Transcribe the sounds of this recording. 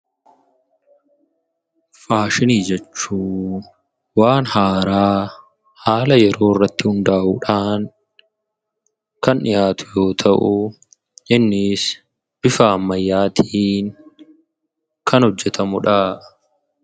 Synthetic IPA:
faːʃɪniːd͡ʒɛt͡ʃːuː | waːnhaːɾaː | haːlɐjɛɾo̞ːɪrːɐt̪ːɪhʊnd̪aːʔuːᶑaːŋ | kɐnɪjaːt̪ʊ̥jo̞ːt̪ʰɐʔʊ | ʔɪnːɪs | b̥ɪfaɐmːɐjːaːt̪ʰiːŋ | kʰɐnhɔd͡ʒːɛt̪ʰɐmʊᶑɐ

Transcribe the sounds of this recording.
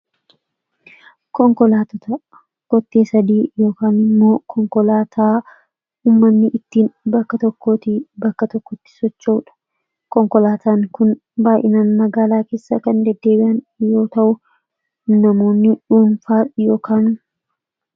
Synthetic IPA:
kɔŋkɔlaːt̪ɔt̪ɐ | ɡ̥ɔt̪ːe̞ːsɐd̪iːjo̞ːkaːnɪmːo̞ːkʰɔŋkɔlaːt̪ʰaː | uːmːɐnːɪʔɪt̪ːiːnbɐkːɐt̪ɔkːoːt̪ibɐkːɐt̪ɔkːɔt̪ːɪ̥sɔt͡ʃːɐʊᶑɐ̥ | kɔŋkɔlaːt̪ʰaːŋkʊn | baːʔɪnaːnmɐɡaːlaːke̞ːsːɐkɐnd̪ɛd̪ːe̞ːbɪʔɐn | jo̞ːt̪ɐʔʊ | nɐmo̞ːnːɪᶑuːnfaːjo̞ːkaːn

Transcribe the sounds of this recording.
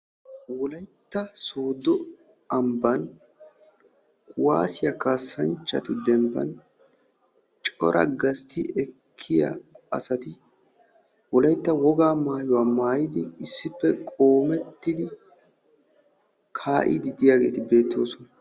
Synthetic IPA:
wɔlɐjt̪ːɐsoːd̪ɔ | ɐmbɐn | wa̰ːsɪjɐkaːsːɐnt͡ʃːɐt̪ʊd̪ɛmbɐ̰n | t͡ʃʼɔ̰ɾʔɐ̰ɡɐst̪ʰɪɛkʰːɪjɐ̰ɐ̰sɐt̪ɪ | wɔlɐjt̪ːɐwɔɡaːmaːjɔwaːmaːjɪd̪ɪɪsːɪpːɛkʼo̞ːmɛt̪ːɪd̪ɪ | kʰaːʔɪ̰d̪ɪd̪ɪjaːɡe̞ːt̪ɪbe̞ːt̪ːo̞ːsɔnɐ

